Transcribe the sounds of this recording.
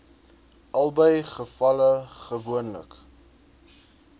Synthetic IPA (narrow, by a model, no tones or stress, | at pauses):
ɐlˠbəjχəfɐləχəvuənlə̰k